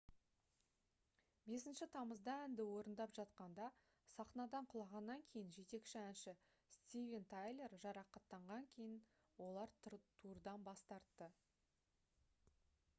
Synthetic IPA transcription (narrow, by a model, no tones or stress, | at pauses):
be̞sɪnʃɪt̪ʰɑməzd̪ɑænd̪ɪwo̞ɾənd̪ɑpʒɑt̪̚qɑnd̪ɑ | sɑqnɑd̪ɑɴqʰʊlˠɑʁɑnːɑŋkʲʰe̞jɪnʒe̞t̪e̞kʃɪænʃɪ | st̪ʲivʲe̞nt̪ʰajlʲˠe̞rʒɑɾɑqɑt̪ːɑɴʁɑŋkʲʰe̞jɪn | wo̞lˠɑɾt̪ʰuɾd̪ɑnbɑst̪ɑɾt̪ːə